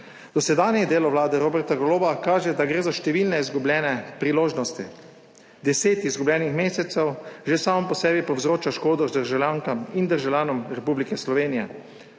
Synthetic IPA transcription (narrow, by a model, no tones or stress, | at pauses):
d̪̥ɔsɛd̪aːnjɛd̪eːlɔʋlaːd̪ɛɾoːbɛɾt̪aɡɔloːʋakaːʒɛd̪aɡɾeːzaʃt̪ɛʋilnɛizɡublʲjɛːnɛpɾiloːʒnɔst̪ḭ | d̪ɛseːt̪izɡubljɛːnixmeːsɛt̪sɛwʒesaːmɔmpɔsɛːbipɔwzɾoːt͡ʃaʃkoːd̪ɔzd̪əɾʒawljaŋkamind̪əɾʒawljaːnɔmɾɛpublikɛslɔʋeːnijɛ̰